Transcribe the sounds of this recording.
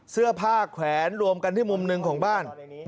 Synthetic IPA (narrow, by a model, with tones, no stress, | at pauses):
sɯ˥˩ɐpʰaː˥˩kʰwɛː˩˦nɾu˧əmka˧nt̪ʰiː˥˩mu˧mnɯ˧ŋkʰɔː˩˦ŋbaː˥˩n